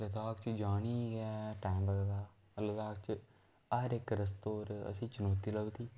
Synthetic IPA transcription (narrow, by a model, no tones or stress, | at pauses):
lət̪aːkt͡ʃd͡ʒaːniːɡɛːʈaːmbəɡd̪aː | lət̪aːkt͡ʃ | əɾɪkɾəs̬t̪oːɾə̰sĩːt͡ʃənoːt̪iːləɡt̪iː